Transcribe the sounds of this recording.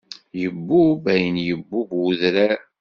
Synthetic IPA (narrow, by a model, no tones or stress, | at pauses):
jəbːubæjənjəbːuɡuðɾæ